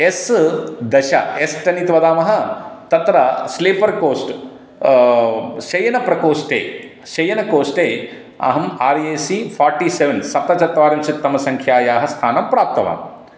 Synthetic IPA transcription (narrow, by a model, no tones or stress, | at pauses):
esd̪ɐʃɐ̰esʈɐnit̪ʋɐd̪aːmɐɦɐ̆t̪ɐt̪ɾɐsleːpɐɾkoːsʈ | ʃɐjɐnɐpɾɐkoːsʈḛː | ʃɐjɐnɐkoːsʈeː | ɐ̰ɦɐmaːɾjeːsiːpʰaːɾʈiːseʋensɐt̪ːɐt͡ʃɐt̪ʋaːɾjɐmt͡ʃʰit̪ːɐmɐsɐŋkʰjaːjaːɦɐst̪ʰaːnɐmpɾaːp̚t̪ɐʋa̰ːm